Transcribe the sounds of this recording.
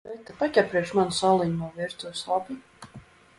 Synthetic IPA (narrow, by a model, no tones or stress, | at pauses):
ɛt̪apat̪ʲjapɾiɛkʃmanusalˠinmɔviɾt̪uɔslˠabʲi